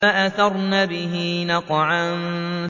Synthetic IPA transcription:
aʔaθɑɾˤnaːbɪɦiːnɑqʕan

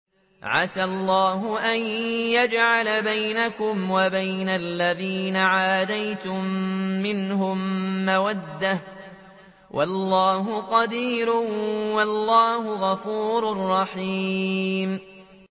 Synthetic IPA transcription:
ʕasalˤːaːɦʊʔanjad͡ʒʕalabajnakʊmwabajnalːaðiːnaʕaːd̪ajt̪ʊmːɪnhʊmːawad̪ːah | wʔa̰lːaːɦʊqɑd̪iːɾʊwalːaːhʊɣafuːɾʊrˤːɑħiːm

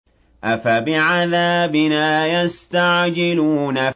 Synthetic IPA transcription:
ʔafabɪʕaðaːbɪnaːjast̪aʕd͡ʒɪluːna

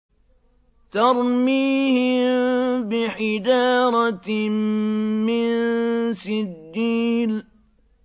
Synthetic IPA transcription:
t̪ɑɾˤmiːhɪmbɪħɪd͡ʒɑːɾˤɑt | mɪnsɪd̪ːiːl

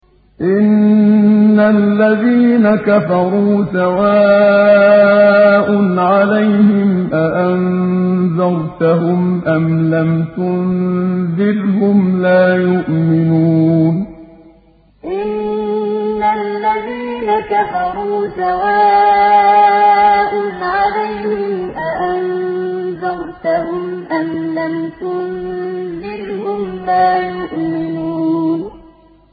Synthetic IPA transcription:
ʔɪnː | alːaðiːnakafɑɾˤuːsawaː | ʔʊnʕalajhɪmʔaʔan | ðɑɾˤt̪aɦʊmʔamlamt̪ʊnðɪlhʊmlaːjʊʔmɪnuːn | ʔɪnː | alːaðiːnakafɑɾˤuːsawaː | ʔʊnʕalajhɪmʔaʔanzɑɾt̪ahʊmʔamlamt̪ʊnzɪlhʊmlaːjʊʔmɪnuːn

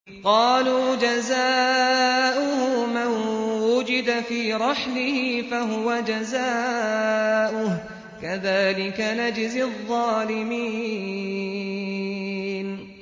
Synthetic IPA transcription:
qɑːluːd͡ʒazaː | ʔʊhʊmanwʊd͡ʒɪd̪afiːɾˤɑħlɪhɪfaɦʊwad͡ʒazaː | ʔʊh | kaðaːlɪkanad͡ʒɪzɪðˤːɑːlɪmiː | n

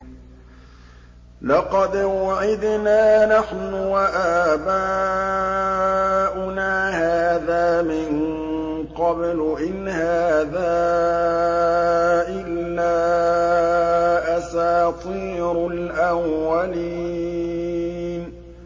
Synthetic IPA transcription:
lɑqɑd̪waʕɪd̪naːnaħnʊwaʔabaː | ʔʊnaːhaːðaːmɪn | qɑblʔɪnhaːðaː | ʔɪlːaː | ʔasaːt̪ˤiːɾʊlʔawːaliːiː | n

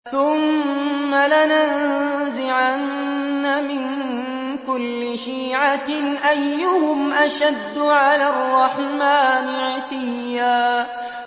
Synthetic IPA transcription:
θʊmː | alananzɪʕanːamɪn | kʊlːɪʃiːʕaʔajːʊhʊmʔaʃad̪ːʊʕalaːrˤːɑħmaːnɪʕt̪ɪjjaː

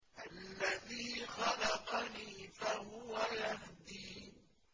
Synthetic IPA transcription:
ʔalːaðiːxɑlɑqɑniːfahʊwajahd̪iː

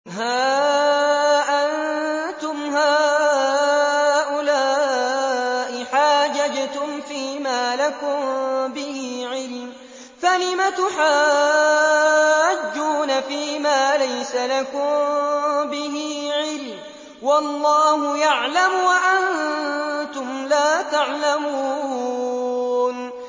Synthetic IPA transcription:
haː | ʔant̪ʊmɦaː | ʔʊlaː | ʔɪħaːd͡ʒad͡ʒt̪ʊmfiːmaːlakʊmbɪhiːʕɪl | θalɪmat̪ʊħaː | ad͡ʒːuːnafiːmaːlajsalakʊmbɪɦiːʕɪl | wɑlˤːɑːhʊjaʕlamwaʔan | t̪ʊmlaːt̪aʕlamuː | n

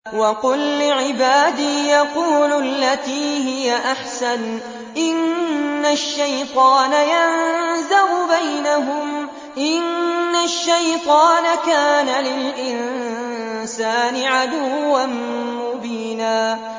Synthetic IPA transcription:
wɑqʊlːɪʕɪbaːd̪iːjɑquːlʊlːat̪iːɦɪjaʔaħsan | ʔɪnːaʃːajt̪ˤɑːnajanzaɾʊbajnaɦʊm | ʔɪnːaʃːajt̪ˤɑːnakaːnalɪlʔɪn | saːnɪʕad̪ʊwːanmʊbiːnaː

